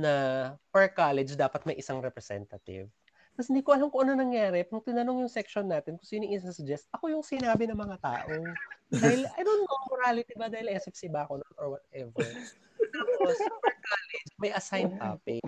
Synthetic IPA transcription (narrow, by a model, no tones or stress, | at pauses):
nɐpɛɹkaːlɛd͡ʒd̪aːpɐt̪̚mɐjʔɪsaŋɾɛpɾɛsɛ̰nt̪ɐt̪ɪ̰v | t̪ɐs̬hɪnd̪iːkoʔɐlamkoʔɐnɐnɐŋjaːɾɛpɾɐŋt̪ɪnɐno̞ŋjʊŋsɛkʃonːaːt̪ɪnkʊsjonɪŋʔɪssɐd͡ʒɛst̪̚ʔɐko̞jʊŋsɪnaːbɪnɐŋmɐŋat̪a̰ːʔod̪aːhɪlʔɐnonːomoɾaːlɪt̪ibɐd̪aːhɪlɛsɛfsibaːkononoɹwɐt̪ɛvɛɹ | opopɹkaːlɛd͡ʒmɐjʔɐsajnp̪a̰ːpɪ